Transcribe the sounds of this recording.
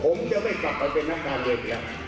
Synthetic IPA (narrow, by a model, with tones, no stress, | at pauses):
pʰo˨˦mt͡ɕa˧˥ma˥˩jka˨˩pʰːa˧jpe˧nːa˦˥˩kʰːaː˧nleː˧˩kːlɛ˧˩